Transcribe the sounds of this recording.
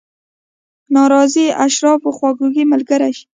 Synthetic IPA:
nɑɾɑziaʃɾɑfoxwɑɡuɡiməlɡaɾaʃ

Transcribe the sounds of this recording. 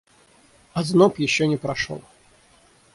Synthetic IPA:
ɐznopjɪɕːɔnʲɪpɾɐʂo̰lˠ

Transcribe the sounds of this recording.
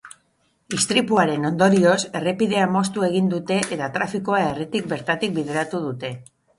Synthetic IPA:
ist̪ɾipuaɾe̞no̞nd̪o̞ɾio̞se̞re̞piðe̞amo̞st̪ue̞ɣind̪ut̪e̞ʔet̪at̪ɾafikoae̞ret̪ik̚be̞ɾt̪at̪ik̚biðe̞ɾat̪uð̞ut̪e̞

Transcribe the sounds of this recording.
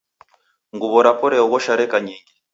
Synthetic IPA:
ŋɡuβɔɾapɔɾɛɔɡɔʃaɾɛkaɲiːŋɡi

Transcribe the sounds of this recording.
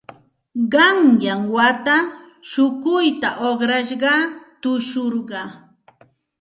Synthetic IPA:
ɢɑŋjaŋwat̪a | ʃʊkʊjt̪aʔoχɾaʃɢɑt̪ʊʃʊɾɢɑ

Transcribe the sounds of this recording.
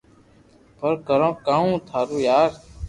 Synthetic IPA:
pəɾkəɾõːkaːũːt̪ʰaːɾuːjaːɾ

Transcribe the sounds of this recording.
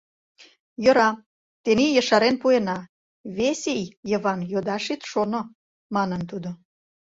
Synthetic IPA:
jŏɾɑ | t̪enijə̆ʃɑɾenpuenɑ | βesejjəβɑnjod̪ɑʃit̪ʃono | mɑnənt̪ud̪o

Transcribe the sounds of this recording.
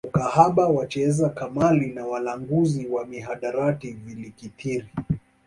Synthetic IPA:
ukahaɓawat͡ʃɛzakamalinawalaŋɡuziwamiɦaɗaɾativilikitʰiɾi

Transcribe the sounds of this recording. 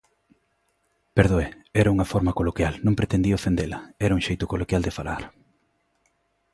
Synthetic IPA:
peɾðoeɛɾɐuŋɐfɔɾmɐkolokjalnõŋpɾet̪end̪iofend̪elɐɛɾɐuŋʃejt̪ʊkolokjald̪efalaɾ

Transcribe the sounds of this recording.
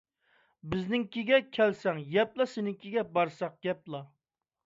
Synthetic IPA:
bɪznɪŋkʲiɡʲɛkʲʰɛlsɛŋjɛplˠɑsɪnɪŋkʲʰiɡʲɛbɑɾsɑq̚ɡ̥ʲɛplˠɑ

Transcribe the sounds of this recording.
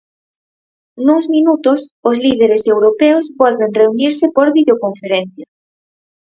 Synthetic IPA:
nuŋzminut̪ʊsʊzlið̞eɾesewɾopeozβɔlβenreuniɾsɪpoɾβiðeokoɱfeɾen̟θja

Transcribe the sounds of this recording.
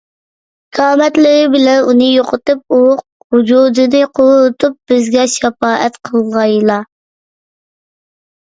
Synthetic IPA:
kʰɑːmɛt̪lɪɾɪbɪlɛnunɨjoqʰət̪ɨp̚uq̚ | hud͡ʒuːd̪ɨnɨqʰoʊt̪ʰup̚b̥ɪzɡʲɛʃɛpɑːʔɛt̪qʰəlˠʁɑjlˠɑ

